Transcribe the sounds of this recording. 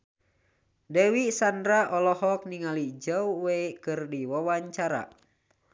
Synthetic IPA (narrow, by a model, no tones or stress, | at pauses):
dɛwisandɾaʔɔlɔhɔk̚niŋalid͡ʒawwɛjkɨrdiwawaɲt͡ʃaɾa̰